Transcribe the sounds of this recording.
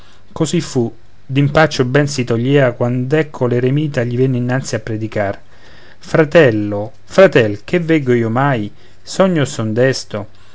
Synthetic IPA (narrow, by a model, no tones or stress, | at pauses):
kosifːu | d̪impat͡ʃːobɛnsit̪oʎːɛːakwand̪ɛkʰːoleɾemiːt̪aʎːivɛnːɪinːant̪siapːɾed̪ikar | fɾat̪ɛlːo | fɾat̪ɛlk̟evːɛɡoiːomaj | sɔɲːosɔnd̪ɛst̪o